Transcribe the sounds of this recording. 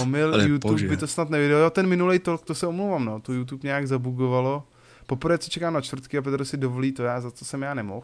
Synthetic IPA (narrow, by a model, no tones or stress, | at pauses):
omɪljutubɪt̪osnat̪nɛvɪdɛlojot̪ɛnmɪnulɛjt̪olk̚t̪osɛomlowvamnoːt̪ojut̪̬upɲɛjaɡzabuɡovalo̞ | po̞pr̩vɛːt͡sot͡ʃɛkaːmnat͡ʃt̪vɾ̩t̪kɪap̬ɛt̪ɾosɪdovoliːt̪ojaːzat͡sosɛmjaːnɛmo̰x